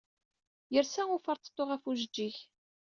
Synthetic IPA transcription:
jəɾsæʊfəɾt̪ə̥t̪ˤːoʁæfuʒəd͡ʒːiç

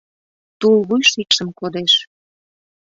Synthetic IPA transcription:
t̪ulβujʃiʃəmkod̪eʃ

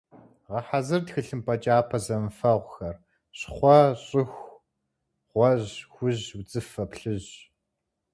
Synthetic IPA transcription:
ʁɐħazɨrtxɨɬɨmpʰɐt͡ʃʼaːpʰɐzɐmfɐʁʷxɐr | ɕχʷɔɕʼɪxʷ | ʁ̥ʷɔʑxʷʊʑwd͡zʼɨfɐpɬɨʑ

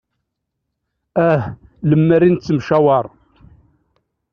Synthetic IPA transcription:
æhləmːərint͡sːəmʃæwɑɾˤ

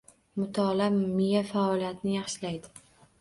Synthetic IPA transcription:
mʊt̪ʰɒlamɪjafaɒlijat̪ɪnɪjɑχʃɪlajd̪ɪ

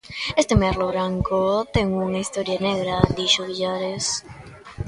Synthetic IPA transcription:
est̪emaɾloβɾaŋkot̪eŋuŋaist̪oɾjaneɣɾad̪iʃoβiʎaɾes

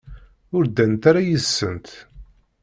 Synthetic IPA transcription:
ʊɾd̪ænt̪aɾajəsːənt̪

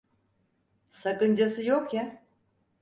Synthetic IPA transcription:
sakɯnd͡ʒasɯjokja

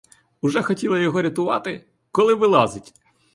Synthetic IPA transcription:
ʊʒɛxɔtʲilˠɐjɔɦɔɾʲɐt̪ʊʋɑt̪ɪ | kɔlˠɪʋɪlˠɑzɪtʲ

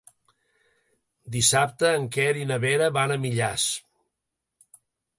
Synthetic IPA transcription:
d̪isap̚t̪əːŋkɛɾinəβeɾəβanəmiʎas

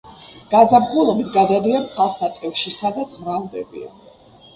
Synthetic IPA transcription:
ɡ̥azabχulˠɔbit̪ʰɡad̪ad̪iant̪χʰalˠsat̪ʼɛfʃisad̪at̪sʰmɾalˠd̪ɛbḭa̰

